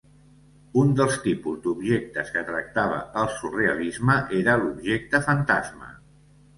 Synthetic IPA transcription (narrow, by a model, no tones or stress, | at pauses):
und̪əlˠst̪ipuzd̪ubʒek̚t̪əskət̪ɾək̚t̪aβ̞ə̰əlˠsureəlizməʔeɾəlubʒek̚t̪əfənt̪azmə̰